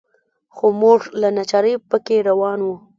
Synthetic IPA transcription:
xomuʐlanat͡ʃɑɾəjpəkeɾawɑnwu

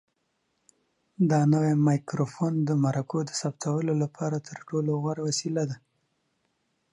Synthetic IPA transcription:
d̪ɑnəwemɑjkɾofond̪əmaɾakod̪əsapt̪ʰawəlolapʰɑɾat̪ʰəɾʈoloɣwaɾawasilad̪a

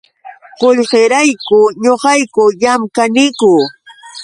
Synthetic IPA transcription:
qoʎɢeɾajkʊɲoqɑjkʊjamkanɪkʊ

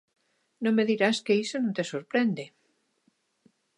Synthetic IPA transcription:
nõŋmeðiɾaskeisonũnt̪esoɾpɾend̪e

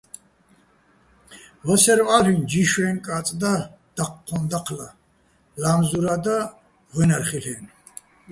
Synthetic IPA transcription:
vɔsɛɾɔaɾind͡ʒiʃwɛːnkʼat͡s̪ʼd̪ad̪̥aqːʰɔnd̪aqʰla | lamzuɾad̪a | ʁɛnaɾχilɛn

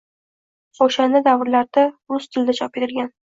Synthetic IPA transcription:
oʃand̪ad̪avɾlaɾd̪̥aʊst̪ʰɪld̪at͡ʃʰɒpet̪ʰɪlɡʲan

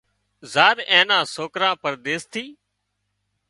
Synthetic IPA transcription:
zaːɾẽːnãːsoːkɾãːpəɾɗ̪eːst̪ʰiː

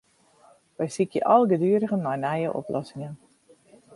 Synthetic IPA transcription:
ʋɛjsikjə̰ʔɔlˠɡədyːəɾəɣənːɔjnɛjəʔɔ̰plʔɔsɪŋən

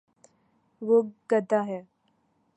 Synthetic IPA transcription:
ʋoɡəd̪aɦɛ

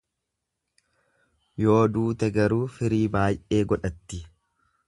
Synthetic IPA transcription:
jo̞ːd̪uːt̪ɛɡɐɾuːfɪɾiːbaːjʔe̞ːɡɔᶑɐt̪ːɪ

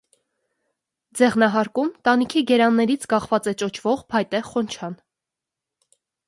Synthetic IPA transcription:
d͡zɛʁnɑɦɑɾkumt̪ɑnikʰiɡɛɾɑnːɛɾit͡sʰkɑχvɑt͡sɛt͡ʃɔt͡ʃʰvɔʁpʰɑjt̪ɛχɔnt͡ʃʰɑn

